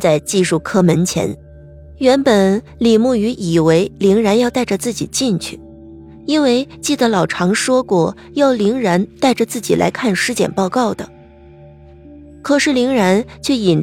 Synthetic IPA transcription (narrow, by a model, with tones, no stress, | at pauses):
t͡sa˥˧ɪt͡ɕi˥˧ʂu˥˩kʰɤ˥mə˧˥nt͡ɕʰjɛ̰˧˥n | ɥɛ˧˥npə˨˩n | li˨˩mu˥˩y˧˥ʔi˨˩we˧˥ɪli˧˥ŋɻa˧˥njɑ˥˧ʊt̪a˥˩ɪʈ͡ʂə˩t͡sɹ̩˥˩t͡ɕi˨˩t͡ɕi˥˩nt͡ɕʰy˥˩ | i˥nwe˥˧ɪt͡ɕi˥˩d̪ə˩lɑ˨˩ʊʈ͡ʂʰɑ˧˥ŋʂwɔ˥kwɔ˥˩ | jɑ˥˩ʊli˧˥ŋɻa˧˥nt̪a˥˩ɪʈ͡ʂə˩t͡sɹ̩˥˩t͡ɕi˨˩lʔa̰˧˥ɪkʰa˥˩nʂɻ̩˥t͡ɕjɛ̰˨˩npɑ˥˧ʊkɑ˥˩ʊd̪ə˩ | kʰɤ˨˩ʂɻ̩˥˩li˧˥ŋɻa˧˥nt͡ɕʰɥɛ˥˩i˨˩n